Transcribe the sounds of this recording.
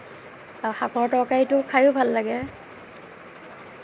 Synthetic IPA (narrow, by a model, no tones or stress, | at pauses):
axaɡʰɔɹtɔkajtʊkʰajʊbʱalːaɡɛ